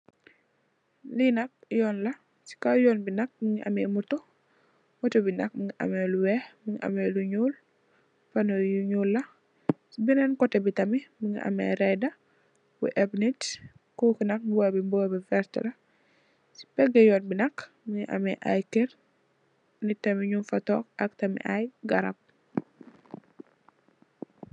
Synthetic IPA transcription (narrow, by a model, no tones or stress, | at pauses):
linɐk̚jɔːnlɐ | si̥kajɔnbinɐk̚miŋiʔa̰mɛmuto | mutɔbinɐk̚miŋiʔa̰mɛluwɛmiŋiʔa̰meluɲuːl | fanojuɲulːɐ | sibinɛnkɔtebitɐmimiŋḭʔa̰mɛ̰ɾɛdɐ | wṵʔɛbnit | kɔkinɐk̚babibɔbifɛɾtlɐ | si̥pɛɡɐjɔːnbinɐk | miŋiʔɐ̰mɛ̰ʔa̰jkɛr | nitɐmiɲunfɐtɔkɐk̚tɐmḭʔajɡɐɾɐp̚